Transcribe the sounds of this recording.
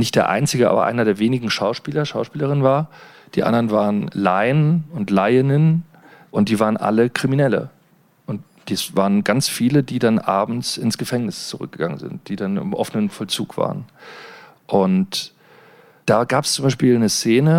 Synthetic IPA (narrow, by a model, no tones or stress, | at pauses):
nɪçtd̥eːɐʔa̰ɪnt͡sɪɡəʔa̰ːbɐ̰ʔa̰ɪnɐdeːɐveːnɪɡŋ̩ʃaʊʃpiːlɐʃaʊʃpiːləʁ̞ɪnvaːɐ | d̥iːʔa̰ndɐʁənvaːʁənla̰ɪənʊntlaɪɪnən | ʔʊnt̚d̥iːvaːʁənʔa̰ləkʁ̥iminɛlə̰ | ʔʊnt | d̥iːsvaːʁənɡant͡sfiːlədiːdanʔa̰ːbm̩t͡sɪnsɡ̥əfɛŋnɪst͡suʁʏ̰k̚ɡ̥əɡ̥aŋə̰nzɪ̰nt̚d̥iːdanɪ̰mʔɔfənənfɔlt͡sṵːkv̥a̰ːʁən | ʔʊnt | d̥aːɡaːpst͡sʊmbaɪʃpiːlnəst͡seːnə